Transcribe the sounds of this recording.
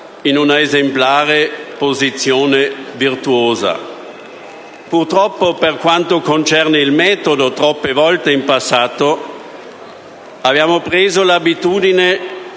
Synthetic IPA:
inunaezemplaːɾepozit̪sːjoːnevirt̪uoːza̰ | purt̪ɾɔpːoperkwant̪okont͡ʃɛrneilmɛːt̪od̪ot̪ɾɔpːevɔlt̪eimpasːaːt̪o | abjaːmopɾeːzolabit̪uːd̪ine

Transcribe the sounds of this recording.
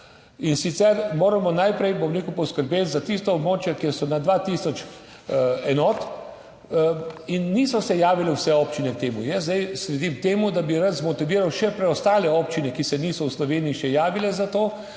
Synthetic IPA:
insit̪sɛɾmoːɾamɔnajpɾɛjbɔmɾeːkupɔskəɾbeːt̪zat̪ist̪ɔːbmoːt͡ʃjɛkɛsɔnad̪ʋat̪iːsɔt͡ʃ | ɛnɔːt̪ | inːiːsɔsɛjaːʋilɛwsɛɔːpt͡ʃinɛk̚t̪eːmujəs̬d̪ɛjsɾɛd̪imk̚t̪eːmud̪abiɾat̪zmɔt̪iʋiːɾawʃɛpɾɛɔst̪aːlɛɔːpt͡ʃinɛkisɛnisɔwslɔʋeːniiʃɛjaːʋilɛzat̪oː

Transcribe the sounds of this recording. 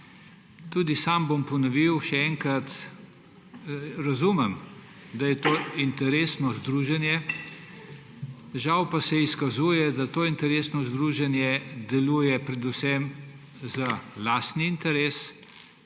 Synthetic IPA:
t̪uːd̪isambompɔnɔʋiwʃɛɛŋkɾat̪ | ɾazuːmɛm | d̪ajɛt̪oːint̪ɛɾeːsnɔzd̪ɾuːʒɛnjɛ | ʒawpasɛiskazuːjɛd̪at̪oːint̪ɛɾeːsnɔzd̪ɾuːʒɛnjɛd̪ɛluːjɛpɾɛd̪usɛm | zalaːst̪niːnt̪ɛɾeːs

